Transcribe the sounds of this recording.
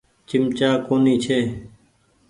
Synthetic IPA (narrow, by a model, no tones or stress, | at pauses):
t͡ʃɪmt͡ʃaːkoːniːt͡ʃʰeː